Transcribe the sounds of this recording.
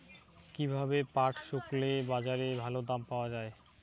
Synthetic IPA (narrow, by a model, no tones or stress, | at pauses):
kibʱabepaʈʃoklebad͡ʑaɾebʱalod̪ampaoad͡ʑae